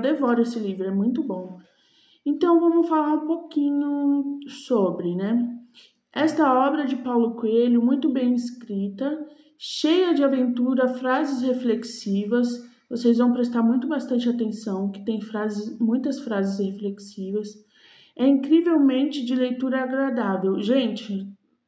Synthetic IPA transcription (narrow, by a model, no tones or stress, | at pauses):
d̪evɔɾesɪlivɾʊɛmũj̃t̪ʊbõw̃ | ẽnt̪ɐ̃w̃vɐ̃mʊsfalaɾũpokĩɲʊsobɾɪnɛ | ɛst̪ɐɔbɾɐd͡ʒɪpawlʊkweʎʊmũj̃t̪ʊbẽj̃ɪskɾit̪ɐ | ʃejɐd͡ʒɪavẽnt̪uɾɐfɾazɪshefleksivɐs | vosejzvɐ̃w̃pɾest̪aɾmũj̃t̪ʊbast̪ɐ̃nt͡ʃɪat̪ẽsɐ̃w̃kɪ̥t̪ẽj̃fɾazɪsmũj̃t̪ɐsfɾazɪshefleksivɐs | ɛĩkɾivewmẽnt͡ʃɪd͡ʒɪlejt̪uɾɐaɡɾad̪avewʒẽnt͡ʃɪ